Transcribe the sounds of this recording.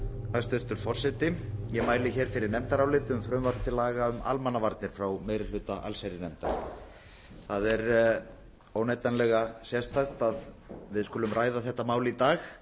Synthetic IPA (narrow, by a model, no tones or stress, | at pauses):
ast̪ʏɾ̥t̪ʏɾ̥fɔr̥sɛt̪ɪjɛmaːjlɪçɛːɾ̥fɪɾɪɾnɛmt̪aɾawlɪːt̪ʏmfɾʏmvaɾt̪ɪlaːɣaʏma̰lmanːavaɾt̪nɪɾ̥fɾawmeːjɾɪlʏːt̪aʔa̰lsajɾɪnɛmt̪aɾ | θaðɛɾ | oːwneːjt̪anlɛɣasjɛst̪axt̪að | vɪðskʏːlʏmrʔaːjðaθɛht̪ːamaːwlɪit̪aːx